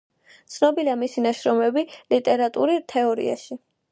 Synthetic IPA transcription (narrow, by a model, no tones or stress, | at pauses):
t̪sʰnɔbiliamisinaʃɾɔmɛbilit̪ʼɛɾat̪ʼṵɾit̪ʰɛɔɾḭa̰ʃi